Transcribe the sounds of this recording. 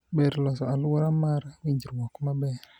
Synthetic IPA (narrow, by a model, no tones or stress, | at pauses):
bɛɾlɔsɔalwɔɾamaɾwiɲd͡ʒiɾwɔkmabɛr